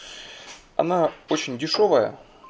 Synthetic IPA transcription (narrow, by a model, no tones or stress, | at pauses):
ɐ̰naot͡ɕɪnʲdʲɪʂo̞vəjə̰